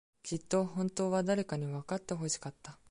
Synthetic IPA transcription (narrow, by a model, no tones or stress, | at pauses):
kʲit̪ːo̞hõ̞nt̪o̞ːβad̪aɾe̞kaɲ̟iβakat̪ːe̞ɦo̞ɕi̥kat̪ːa